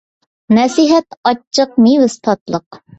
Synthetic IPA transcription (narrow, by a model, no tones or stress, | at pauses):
nɛsiɦɛt̪ɑt͡ʃʰːəq̚niwɨst̪ʰɑt̪lˠəq